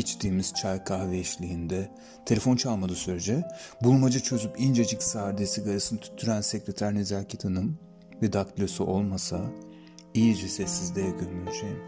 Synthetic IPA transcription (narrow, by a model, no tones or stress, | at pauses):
it͡ʃd̪iːmiz̥t͡ʃʰajkʰavɛʃlʲiind̪ɛ | t̪ʰe̞e̞fo̞nt͡ʃʰalˠmad̪ɯsyɾed͡ʒɛbulˠmad͡ʒat͡ʃʰø̞zypind͡ʒed͡ʒicsaːɾd̪esiɡaɾɯsɯnt̪ʰy̥t̪ʰːyɾænsecɾet̪ʰæɾnezæɾcʰit̪ʰanɯm | vɛd̪aklʲosuʔo̞lˠmasa | ijid͡ʒɛsɛsːizd̪ɛjakʰɯnbiʃejim